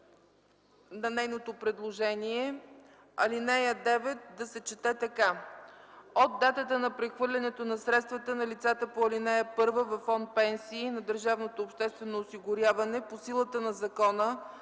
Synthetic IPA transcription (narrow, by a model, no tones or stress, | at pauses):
nɐnɛjnot̪opɾɛd̪lˠoʒɛniɛ | ɐlinɛjəd̪ɛvɛt̪̚d̪ɐsɛt͡ʃɛt̪ɛt̪ɐka | od̪ːat̪ət̪ənɐpɾɛxvɤɾlʲɐnɛt̪onɐsɾɛt̪st̪vət̪ənɐlit̪sat̪əpoɐlinɛjəpɤɾvəvɐfɔnt̪̚pɛnsiːnɐd̪əɾʒavnot̪oːpʃt̪ɛst̪vɛnoːsiɡʊɾjavɐnɛposilˠət̪ənɐzɐkɔnə